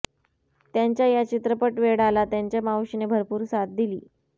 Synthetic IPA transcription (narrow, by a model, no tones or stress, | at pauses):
t̪jaɲt͡ɕjajat͡ɕit̪ɾəpəʈʋeɽalat̪jaɲt͡ɕjamawɕinebʱəɾpuːɾsat̪̚d̪iliː